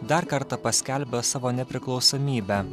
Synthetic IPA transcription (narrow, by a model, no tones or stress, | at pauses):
d̪ɐɾkɐɾt̪ɐpɐsʲkʲɛlʲbʲɛsɑːʋoːnʲɛpʲɾʲɪklˠɒʊsoːmʲiːbʲæː